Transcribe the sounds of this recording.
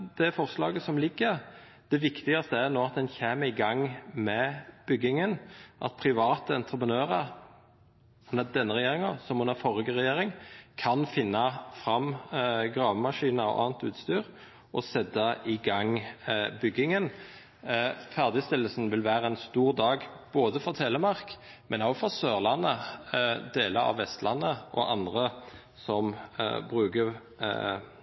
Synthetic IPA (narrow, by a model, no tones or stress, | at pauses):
d̪̥ɛfɔʁslɑːɡəsɔmlɪɡːəʁ | d̪̥ɛʋɪkt̪ɪɡɑst̪əæʁnoːɑt̪̚d̪ɛnçeːməɪɡɑŋmɛb̥ʏɡːɪŋənʔɑ̰t̪̚pʰʁɪʋɑːt̪əɛnt̪ɾəpənøːʁə | hʊnæd̪ɛnːəʁɛjeːʁɪŋɑsɔmhʊnæɾfɔɾəɡəʁɛjeːɾɪŋkʰɑnfɪnːɑfɾɑmɡɾɑːʋmɑʂiːnɑɔ̰ʔɑ̰ːnt̪ʉːt̪st̪yːɾ | ʔɔsɛt̪ːəʔɪɡɑŋbʏɡːɪŋən | fæʁd̪ɪst̪ɪlːəlsn̩ʋɪlʋæːʁəɛnst̪uːʁd̪ɑːɡ | b̥oːd̪əfɔt̪ʰeːləmɑʁk | mʔɛnoːfɔʁsøːʁlɑnːə | d̪eːləɾɑ̰ʋːɛst̪lɑnːəʔɔ̰ʔɑnd̪ʁə | sɔmbɾʉːɡə